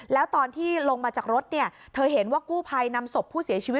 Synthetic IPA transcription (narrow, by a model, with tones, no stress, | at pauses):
lɛː˦˥wt̪ɔː˧nt̪ʰiː˥˩lo˧ŋmaː˧t͡ɕaː˨˩k̚ɾo˦˥t̪̚ni˥˩ɐ | t̪ʰɤː˧ɦe˩˦nwaː˥˩kuː˥˩pʰa˧jna˧mso˨˩pʰːuː˥˩si˨˩˦ɐt͡ɕʰiː˧wi˦˥